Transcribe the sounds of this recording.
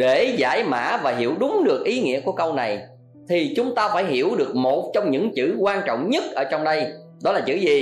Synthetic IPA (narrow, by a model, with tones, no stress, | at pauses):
ɗe˧˩za̰ː˧˩jma̰ː˧˥vaː˨˩ɦi˧˩əwɗʊ˨˦ŋ͡mɗɨ˨˩ək̚ʔi˨˦ŋḭ˧˥əku˧˩əkə˧wna˨˩j | t̪ʰi˨˩t͡ɕʊ˨˦ŋ͡mt̪aː˧faː˧˩jɦi˧˩əwɗɨ˨˩ək̚mo˨˩t̚t͡ɕɔ˧wŋ͡mɲɨ̰˧˥ŋt͡ɕɨ̰˧˩kwaː˧nt͡ɕɔ̰˧˨wŋ͡mɲə˦˥t̚ʔəː˧˩t͡ɕɔ˧wŋ͡mɗə˧j | ɗɔ˨˦laː˨˩t͡ɕɨ̰˧˩zi˨˩